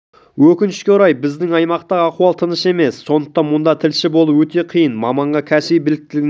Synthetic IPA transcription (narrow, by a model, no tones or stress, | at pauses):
wɵkʲɪnɪ̥ʃkʲeʊɾɑjbɪzd̪ɪŋɑjmɑqt̪ɑʁɑquɑlˠt̪ʰənəʃe̞me̞sːo̞nd̪ə̥q̚t̪ɑnmʊnd̪ɑt̪ʰɪlʃɪbo̞lˠəwɵt̪e̞qʰijənmɑmɑɴʁɑkʲʰæsejbɪlɪk̚t̪ɪlɪɡʲɪ